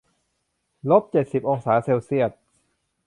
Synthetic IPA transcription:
lo˦˥p̚t͡ɕe˨˩t̪̚si˨˩p̚ʔoː˨˩ŋsaː˩˦se˧wsi˥˩ət̪̚

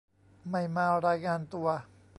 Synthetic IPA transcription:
ma˧˩jmaː˧wɾaː˧jŋaː˧nt̪u˧ɐ

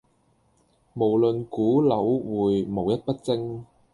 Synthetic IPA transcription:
mo˨˩wlɵ˨nkuː˨˥lɐ˨˥wwuː˨˧jmo˨˧wjɐ˥t̚pɐ˥t̚t͡sɪ˥ŋ

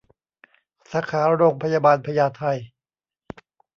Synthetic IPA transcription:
saː˩˦˥kʰaː˩˦ɾa˦ɾoː˧ŋpʰa˧jaː˧baː˧npʰa˧jaː˧t̪ʰa˧j

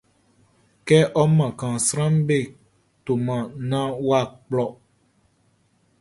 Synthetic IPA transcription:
kɛ˦ʔɔ˦mã˨kã˨sɾã˦mbe˦˨ | to˨mã˨nã˦wa˦˨k͡plɔ˦˨

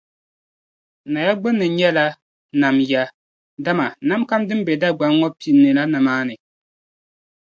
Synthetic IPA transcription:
na˨ja˦ɡ͡bɨ˦nːɨ˨ɲɛ˦la˦ | na˨mja˦ | da˦ma˨na˨˦mka˦mdɨ˦m˦bɛ˨da˦ɡ͡ba˨˦ŋ˦ŋɔ˦pi˦˨nːɨ˨la˦na˨maː˦nɨ˨

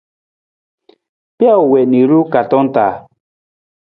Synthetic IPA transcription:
pja˦u˨wɛ˨ni˨ɾu˦ka˨tɔ˦n˦taː˨

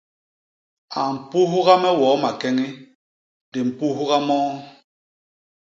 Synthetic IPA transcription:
a˨m̩˨pu˦ɦu˦ɣa˦mɛ˦wɔː˨˦ma˨kɛ˦ŋi˦ | de˨m̩˨pu˦ɦu˦ɣa˦mɔː˦

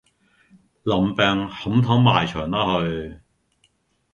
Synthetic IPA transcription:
lɐ˨˩mpɛː˧ŋhɐ˨˥mt̪ʰɐ˨˥ŋmaː˨jt͡ʃʰœː˨˩ŋt̪a˥hɵ˧ɥ

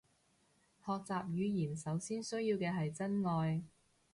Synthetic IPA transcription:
hɔː˨k̚t͡saː˨p̚jyː˨˧jiː˨˩nsɐ˨˥wsiː˥nsɵ˥ɥjiː˧wkɛː˧ɦɐ˨jt͡sɐ˥nŋɔː˧j

